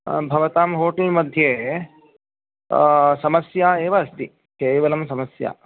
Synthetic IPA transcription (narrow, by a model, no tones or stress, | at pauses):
bʱɐʋɐt̪aːmɦoːʈɐlmɐd̪ʱjeː | sɐmɐsjaːeːʋaɐst̪i | keːʋɐlɐmsɐmɐsja̰ː